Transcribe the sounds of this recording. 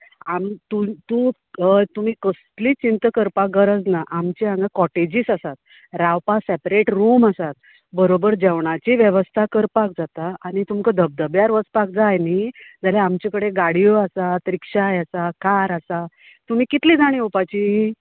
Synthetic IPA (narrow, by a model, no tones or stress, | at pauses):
amt̪ut̪u | t̪um̤iːkəst̪liːt͡ɕint̪əkəɾpaɡəɾəd͡znaʔamt͡ɕiãŋɡakɔʈed͡ʑiːsasat̪̚ | ɾawpasepɾeʈɾuməsat̪̚ | bəɾobəɾd͡ʑɛʋɳ̃at͡ɕiʋjəʋəst̪ʰakəɾpak̚d͡zat̪aaɽ̃it̪umkəd̪ʱəb̚d̪əbjaɾʋət͡spak̚d͡zajnid͡zaljaamt͡ɕekəɽeɡaɽijoasat̪ɾikʂajasakaɾasa | t̪um̤iːkit̪liːd͡zaɽ̃ĩːupat͡ɕiː